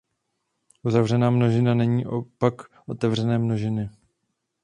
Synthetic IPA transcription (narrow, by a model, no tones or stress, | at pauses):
ʔuzavrɛnaːmno̞ʒɪnanɛɲiːʔopakʔo̞t̪ɛvr̝ɛnɛːmno̞ʒɪnɪ